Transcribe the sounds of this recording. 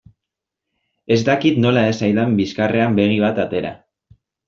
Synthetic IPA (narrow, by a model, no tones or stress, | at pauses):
e̞zd̪akit̪no̞laesajðambiskare̞ambe̞ɣ̞iβ̞at̪at̪e̞ɾa̰